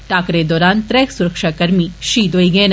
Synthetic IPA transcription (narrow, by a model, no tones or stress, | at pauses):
ʈaːkɾed̪ɔːɾaːnt̪ɾɛːksuɾəkʃakɐɾmiʃiːd̪oiɡəen